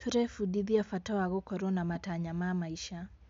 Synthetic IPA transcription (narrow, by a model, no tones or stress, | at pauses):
tuɾɛfuɗiðiafatɔwaɣɔkɔɾɔnamataɲamamaiʃa